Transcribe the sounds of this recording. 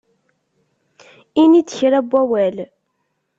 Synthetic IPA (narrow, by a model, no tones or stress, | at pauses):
init͡sːəçɾæbːæwæl